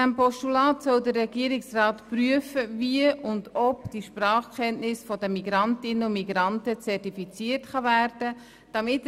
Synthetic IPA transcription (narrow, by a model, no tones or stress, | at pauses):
æmpɔʃtulɑːtsœldərːɛɡiəɾɪksrɑːtpryəfəviəʊndɔpd̥iʃprɑːχkχɛntnɪsfɔdəmiɡɾɑntɪnəʊmiɡ̥ɾɑntət͡sɛrtifit͡siərtχɑvæːrd̥ə | d̥ɑmɪt